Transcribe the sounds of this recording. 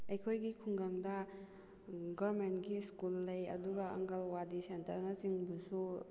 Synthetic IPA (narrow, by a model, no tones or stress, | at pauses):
ɐjkʰojɡikʰuŋɡaŋdɐ | ɡɐɾmentɡiskulːɐjɐ̰duɡaɐ̰ŋɡɐlwadisentɐɾnasiŋbusu